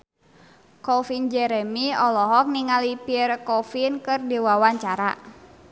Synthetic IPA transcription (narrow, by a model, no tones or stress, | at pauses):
kɔfind͡ʒɛɾɛmiɔlɔɦɔk̚niŋalipirkɔfinkɨrdiwawaɲt͡ʃaɾa̰